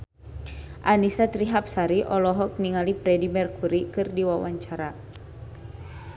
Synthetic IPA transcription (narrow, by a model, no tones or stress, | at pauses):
ʔanisat̪ɾiɦap̚saɾiʔɔlɔɦɔk̚niŋalipɾɛdimɛrkuɾikɨrdiwawaɲt͡ʃaɾa